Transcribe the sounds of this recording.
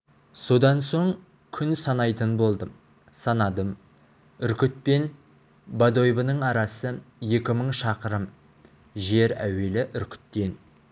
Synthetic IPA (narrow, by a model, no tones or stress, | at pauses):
so̞d̪ɑnso̞ɴ | kʲʰʏnsɑnɑjt̪ənbo̞lˠd̪ə | sɑnɑd̪əm | ʏɾkʲɪt̪̚pe̞n | bad̪o̞jbənəɴɑɾɑsəje̞kʲɪməɴʃɑqəɾəm | ʒe̞ɾæ̰we̞lɪʔʏɾkʲɪ̥t̪ːe̞n